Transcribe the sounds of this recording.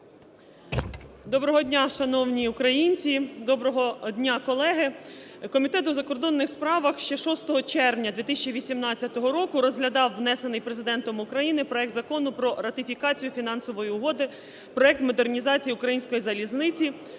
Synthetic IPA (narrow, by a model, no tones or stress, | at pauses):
d̪ɔbɾɔɦɔd̪ʲnʲaʃɐnɔwnʲiukɾɐjinʲt͡sʲid̪ɔbɾɔɦɔd̪ʲnʲakɔlˠɛɦɪkɔmʲit̪ɛt̪ʊzɐkɔrd̪ɔnːɪxspɾɑʋɐxʃt͡ʃɛʃɔst̪ɔɦɔt͡ʃɛrʋnʲɐd̪ʋʲit̪ɪsʲt͡ʃiʋʲisʲimnɑt͡sʲːɐt̪ɔɦɔɾɔkʊɾɔzɦlʲɐd̪ɑwːnɛsenɪjpɾezɪd̪ɛnt̪ɔmʊkɾɐjinɪpɾɔɛk̚t̪zɐkɔnʊpɾɔɾɐt̪ʲɪfʲikɑt͡sʲijʊfʲin̪ɑnsɔʋɔjiʊɦɔd̪ɪ | pɾɔɛk̚t̪mɔd̪ernʲizɑt͡sʲijiʊukɾɐjinʲsʲkɔjizɐlʲiznɪt͡sʲi